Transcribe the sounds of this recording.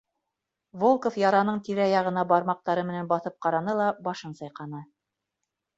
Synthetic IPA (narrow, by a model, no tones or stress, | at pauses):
volˠkofjɑɾɑnɤɴt̪iɾæjɑʁɤ̆nɑbɑɾmɑq̚t̪ɑɾɤmɘ̆nænbɑθɤp̚qɑɾɑnɤlˠɑbɑʃɤnsɑjqɑnɤ